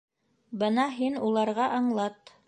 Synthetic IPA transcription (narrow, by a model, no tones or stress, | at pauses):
bɤnɑɦinulˠɑɾʁɑʔɑɴlˠɑt̪